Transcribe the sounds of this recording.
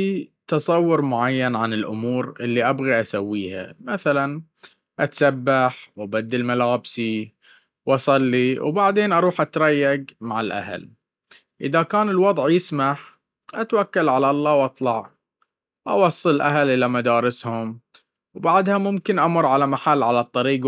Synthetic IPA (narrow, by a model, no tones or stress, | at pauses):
fit̪ɑsˤɑwːʊɾmʊʕajːanʕanɪlʔʊ̰muːɾʔɪlːiʔabɣiʔasawːiːha̰maθalan | ʔat̪sabːaħwʔabad̪ːɪlmalaːbsi | wʔɑsˤɑlːiwbaʕd̪eːnʔɑɾˤuːħʔat̪ɾˤɑjːaɡmaʕɪlʔa̰ɦa̰l | ʔɪ̰ðakaːnɪlwɑd̪ˤʕjɪsmaħ | ʔat̪wakːalʕalalˤːɑːwʔɑt̪ˤlɑʕ | wʔɑ̰wɑsˤːɨllʔaɦalʔɪlamad̪ɑːɾɪshʊm | wbaʕd̪hamʊmkɪnʔamʊɾʕalamaħalːʕalat̪ˤːɑɾiːɡ